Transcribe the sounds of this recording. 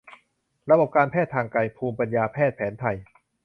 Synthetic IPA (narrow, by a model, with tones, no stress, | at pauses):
ɾa˧bo˨˩p̚kaː˧npʰɛː˥˩t̪ʰːaː˧ŋka˧jpʰuː˧mpa˧njaː˧pʰɛː˥˩t̪̚pʰɛː˩˦nt̪ʰa˧j